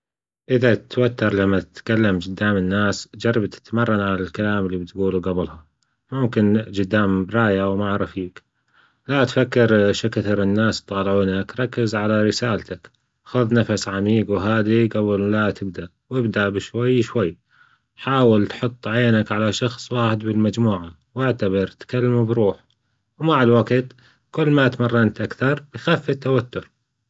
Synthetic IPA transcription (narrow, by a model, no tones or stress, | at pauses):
ʔɪðat̪wat̪ːɑɾˤlamːat̪ɪt̪kalːamd͡ʒɪd̪ːaːmɪnːaːsd͡ʒɑrˤːɑbt̪ɪ̥t̪mɑrˤːɑnʕalalkalaːmɪlːibɪt̪ɡuːluɡablha | mʊmkɪnd͡ʒʊd̪ːaːmbɾˤɑːjawmaʕɾˤɑfiːk | lat̪fakːɪɾʃɪkaθɪɾˤɪnːaːst̪ˤːɑːlʕuːnakɾˤɑkːɪzʕalaɾɪsaːlt̪ʰak | xʊðˤnafasʕamiːɡwɦaːd̪iɡawːallat̪ɪb̚d̪aʔwɪbd̪aʔbɪʃwajːʃwajː | ħaːwɪlt̪ħʊt̪ˤːʕeːnakʕalaʃɑxsˤwaːħɪd̪bɪlmad͡ʒmuːʕa | wɪʕt̪abɑɾˤt̪kalːamubɾuːħ | wmaʕɪlwaɡt̪ | kʊlːmat̪mɑrˤːɑnt̪ʔakθɑɾˤbɪjxaːfːɪt̪ːawat̪ːʊɾ